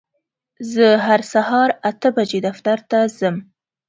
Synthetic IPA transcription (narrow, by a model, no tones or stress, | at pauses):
zəɦaɾsahɑɾat̪əbad͡ʒed̪aft̪aɾt̪azəm